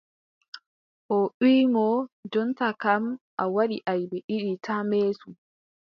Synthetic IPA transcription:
ʔɔɗiːmɔd͡ʒɔntakamʔawaɗiʔajbɛʔiɗitameːsu

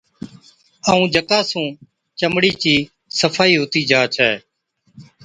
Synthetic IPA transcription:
aːũːd͡ʒəkaːsũː | t͡ʃəmɽiːt͡ʃiː | səfʰaːiːɦoːt̪iːd͡ʒaːt͡ʃʰɛː

